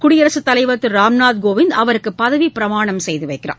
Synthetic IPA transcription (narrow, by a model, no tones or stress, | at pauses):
kʊɽɪjɐɾɐsɯt̪ːɐlɐɪʋɐt̪ːɯɾaːmnaːt̪ɡoːʋɪnd̪ɐʋɐɾɯkːɯpːɐðɐʋipɪɾɐmaːɳɐmsɛjðɯʋɐɪkːɪra̰ː